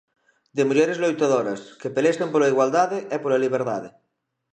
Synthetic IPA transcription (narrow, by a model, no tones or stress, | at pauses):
d̪emuʎeɾezlojt̪aðoɾɐskepelesempolaiɣwald̪aðeʔɛpolaliβ̞eɾðaðe